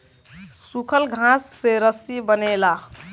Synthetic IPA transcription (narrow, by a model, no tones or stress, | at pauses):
sukʰəlɡʱãsːeɾəsibənela